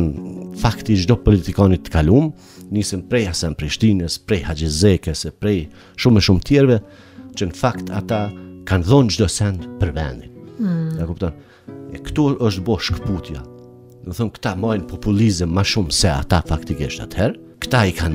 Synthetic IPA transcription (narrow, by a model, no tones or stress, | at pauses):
nfakt̪id͡ʒd̪ɔpɔlit̪ikɑnit̪ːə̥kalum | nisəmpɾɛjasɛnpɾiʃt̪inəspɾɛjhad͡ʒəzɛkɛsɛpɾɛj | ʃumɛʃumt̪jɛɾvɛ | t͡ʃənəfakt̪ʰa̰t̪akanðɔnd͡ʒd̪ɔsɛnd̪pəɾvɛ̰nd̪inɡ̪akupt̪ɔn | ɛkt̪uəʃt̪bɔʃkput̪ja̰ | nuθɔnkə̥t̪amajnpɔpulizəmːaʃumsɛa̰t̪afakt̪ikiʃt̪a̰t̪hɛɾ | kə̥t̪aikan